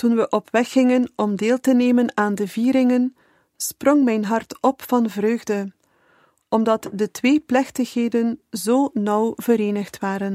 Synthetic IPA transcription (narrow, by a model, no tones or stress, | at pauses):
tunʋəʔɔpʋɛxːɪŋənɔmdeːlˠtəneːmənaːndəviːɾɪŋən | sprɔŋmɛjnɦɑrtɔpfɑnvrøːɣdə | ɔmdɑtdətʋeːplɛxtəxɦeːdənzoːnʌwvəɾeːnəxtʋaːɾən